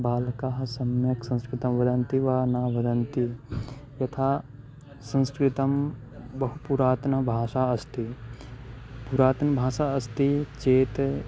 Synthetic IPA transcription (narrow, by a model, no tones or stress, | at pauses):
baːlkaːɦɐ̆sɐmjɐksɐ̃nskɾɪt̪ɐmʋɐd̪ɐnt̪iʋaːnaːʋɐd̪ɐnt̪ijɐt̪ʰaː | sɐ̃nskɾɪt̪ɐm | bɐɦupuɾaːt̪nɐbʱaːʃaːɐst̪ʰi | puɾaːt̪nɐbʱaːsaːɐst̪it͡ʃeːt̪